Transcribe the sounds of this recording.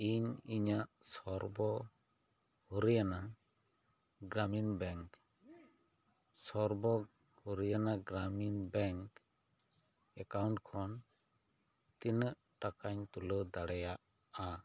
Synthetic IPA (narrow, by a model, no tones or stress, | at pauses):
iɲiɲaʔsɔɾbɔ | huɾijana | ɡɾaminbɛŋk | sɔɾbɔ | huɾijanaɡɾaminbɛŋk | ɛkawɳʈkʰɔn | t̪inəʔ | ʈakaɲt̪ulɔd̪aɽɛjaʔ | a